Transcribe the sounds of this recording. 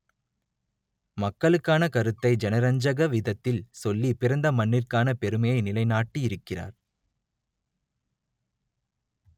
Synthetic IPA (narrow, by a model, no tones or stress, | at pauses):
mɐkːɐɭɯkːaːnɐkɐɾɯt̪ːɐɪd͡ʒɛnɐɾɐɲd͡ʒɐɣɐʋɪðɐt̪ːɪlsɔlːipɪɾɐnd̪ɐmɐɳːɪrkaːnɐpɛɾɯmɐjɐɪnɪlɐɪnaːʈːiɪɾɯkːɪra̰ːɾ